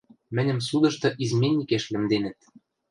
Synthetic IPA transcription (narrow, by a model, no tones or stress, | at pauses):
mɘ̆nʲɘ̆msud̪ɤ̆ʃt̪ɤ̆ʔizmʲenʲikeʃlɘ̆md̪enɘ̆t̪̚